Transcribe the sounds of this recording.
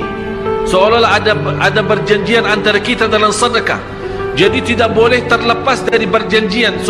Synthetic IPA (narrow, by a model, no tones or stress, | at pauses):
səolalaɦaʔadabərd͡ʒaɲd͡ʒianant̪aɾakit̪adalamsadaka̰ | d͡ʒadit̪idaʔ̚bolɛht̪ərləpasdaɾibərd͡ʒaɲd͡ʒians